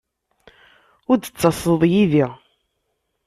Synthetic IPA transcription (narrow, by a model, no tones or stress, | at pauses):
ʊɾd̪ət͡sːɑsˤəðˤjiði